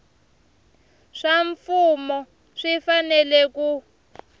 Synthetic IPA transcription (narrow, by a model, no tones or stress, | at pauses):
ʂaɱfumɔ | ʂifanɛlɛku